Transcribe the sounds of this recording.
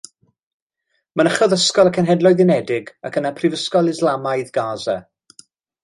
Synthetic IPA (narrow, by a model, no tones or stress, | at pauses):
manəχɔðəskɔlˠəkʰənɦɛdlˠɔɨðɪnɛdɪɡakʰənapʰrɪvəskɔlˠɪzlˠamajðɡaːzɛ̰